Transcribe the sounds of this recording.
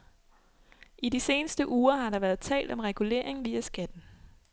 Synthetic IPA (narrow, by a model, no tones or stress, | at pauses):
ʔidise̝ːnəsd̥əʔuːɐɦɑ̈ɾɑ̈ʋæɐð̩ˠt͡sʰɛ̰ːld̥ɒ̽mʁɛɡ̥ule̝̰ɐe̝ŋʋiːæsɡ̥æd̥n̩